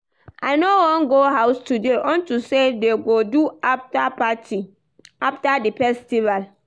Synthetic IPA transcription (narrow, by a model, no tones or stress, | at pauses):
ʔajnowɔ̃nɡoɦawstudeʔɔ̃ntusedeɡoduaftapati | aftadifɛstival